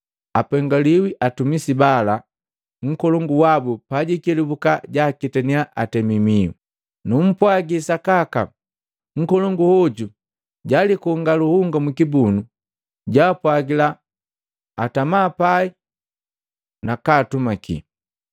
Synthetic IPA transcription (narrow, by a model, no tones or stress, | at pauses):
apɛŋɡaliwiʔatumisibala | ŋ̩kɔlɔŋɡuwabupaɟikilibukaɟakitɛniaʔa̰tɛmimiwṵ | num̩pwaɡisakaka̰ | ŋ̩kɔlɔŋɡuhɔɟu | ɟalikuŋɡaluhuŋɡamukibunu | ɟaːpwaɡilaː | tamaːpai | nakaːtumakḭ